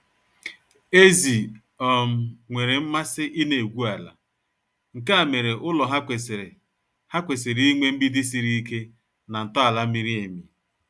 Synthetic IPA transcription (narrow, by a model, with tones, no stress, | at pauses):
e˦zi˨ | ɔ˨m̩˨ŋʷe˨ɾe˨m̩˦ma˦sɪ˦ʔi˦ne˨e˨ɡʷu˦a˨la̰˨ | ŋ̩˨ka˦a˨me˨ɾe˨ʔʊ˦lɔ˨ɦa˦ke˨sɾ | ha˦kʷe˨se˨ɾi˨i˦ŋʷe˦m̩˦bi˦dɪ˦s̬i˨ɾi˦i˦ke˦ | na˨n̩˨tɔ˦a˨la˦i˦ɾi˦e˨mi˨